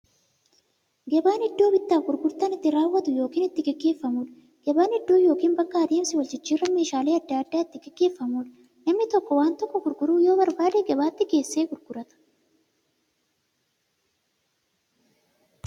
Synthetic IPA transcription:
ɡɛbaːnhɪd̪ːoːbɪt̪ːaːfɡʊɾɡʊɾt̪ɐnɪt̪ːɪɾaːwːɐt̪ʊjo̞ːkiːnɪt̪ːɪɡɛɡːe̞ːfːɐmuᶑɐ | ɡ̥ɛbaːnɪd̪ːo̞ːjo̞ːkiːnbɐkːɐɐd̪eːmsɪwɐlt͡ʃɪt͡ʃːiːrːɐme̞ːʃaːleːɐd̪ːaːɐd̪ːaːɪt̪ːɪɡɛɡːe̞ːfːɐmuːᶑɐ | nɐmnɪt̪ɔkːɔwaːnt̪ɔkːɔɡʊɾɡʊɾuːjo̞ːbɐɾbaːd̪eːɡɛbaːt̪ːɪɡe̞ːsːeːɡʊɾɡʊɾɐt̪ɐ̥

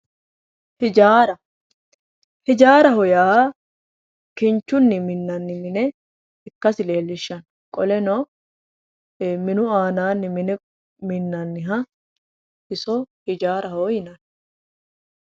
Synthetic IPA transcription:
hɪd͡ʒaːɾɐ | hɪd͡ʒaːɾɐɦɔjaː | kɪnt͡ʃːʊnːɪmɪnːɐnːɪmɪnɛ | ɪkːɐsɪle̞ːlːɪʃːɐn | kʼɔlɛnɔː | mɪnʊaːnaːnːɪmɪnɛ | mɪnːɐnːɪɦɐ | ʔɪsɔhɪd͡ʒaːɾɐhoːjɪnɐn

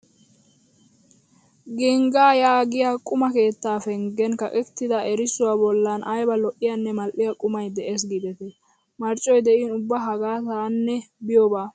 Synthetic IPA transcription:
ɡɪŋɡaːjaːɡɪjaːkʼʊmɐke̞ːt̪ːaːfɛŋɡɛnkɐkʼɛkt̪ːɪd̪ɐɛɾɪsʊwabɔlːɐnɐjbɐlɔʔɪjanːɛmɐlʔɪjɐkʼʊmɐjd̪ɛʔeːs̬ɡiːd̪ɛt̪ɛ | mɐɾt͡ʃʼːɔjd̪ɛʔiːnʊbːaɦɐɡaːt̪aːnːɛbɪjobaː

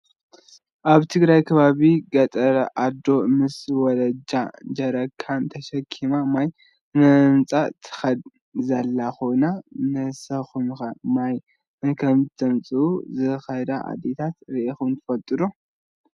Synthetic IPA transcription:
ʔaβt̪ʰɨɡɾajkʰɐβaβiɡɐt̪ʼɐɾɐʔad̪o̞mɨswɔlɐd͡ʒad͡ʒɐɾɐkʰːant̪ʰɐʃɐkʰːimamaj | nɨɨmt͡sʼat̪ʰɨ̥xɐd̪ | zɐlːaxo̞jnanɨsɐxumxɐmaj | ɨkʰɐmt̪ʰɐmt͡sʼɨuzɨxɐd̪aʔa̰d̪et̪ʰat̪ɾiʔixunt̪ʰɨ̥fɐlt̪ʼɨd̪u

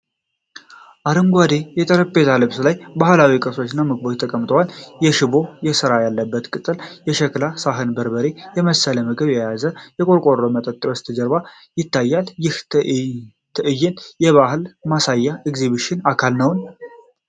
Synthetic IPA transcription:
ʔaɾəmɡʷad̪ejɛt̪ʼəɾəpʼːezalɨbslajbahɨlawikʼəso̞t͡ʃːɪnːamɨɡbot͡ʃt̪ʰəkʼəmt̪ʼəwaljɛʃɪbo̞jɛsɨɾajalːəbːət̪kʼɨt̪ʼɨljɛʃəklasaɦɨnbəɾbəɾejɛməsələməɡɨβjɛjazəjɛkʼoɾkʷʼorːomət̪ʼət̪ʼːwəst̪ʰɨd͡ʒəɾba | jɪt̪ːajːaljɪh̪ | t̪ʰɨʔɨjːɛnjɛβaɦɨlmasajːaʔɪɡziβiʃɪnakʰalnəwn

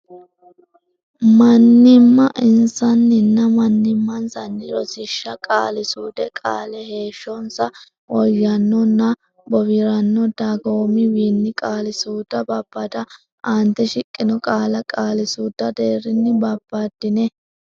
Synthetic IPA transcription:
mɐnːɪmːɐʔɪnsɐnːɪnːɐmɐnːɪmːɐnsɐnːɪɾɔsɪʃːɐkʼaːlɪsuːd̪ɛkʼaːlɛɦe̞ːʃːɔnsɐ | ʔɔjːɐnːɔnːɐ | bɔbɪɾɐnːɔd̪aɡoːmɪwiːnːɪkʼaːlɪsuːd̪ɐbɐb̥ːɐt̪ɐ | ʔant̪ɛʃɪkʼːɪnɔkʼaːlɐkʼaːlɪsuːd̪̥ːɐd̪e̞ːɾɪnːɪbɐb̥ːad̪̥ɪnɛ

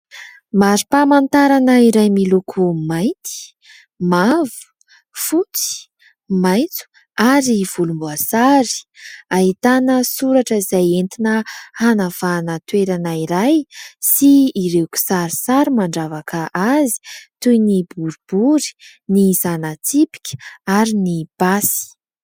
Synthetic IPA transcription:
maɾipamant̪aɾanəiɾajmilukʰumajnt̪i̥ | mavu̥ | fut͡si̥ | majnt͡su̥ | aɾiv̥ulumbuasaɾi̥aɦit̪anəsuɾaʈ͡ʂəizajent̪inəhanav̥anət̪weɾanaiɾajsiːɾewku̥saɾisaɾimaɳɖ͡ʐavakʰəʔazi̥t̪ujnibuɾub̥uɾi̥ | nizanat͡sipi̥kʲə̥aɾinib̥asi̥

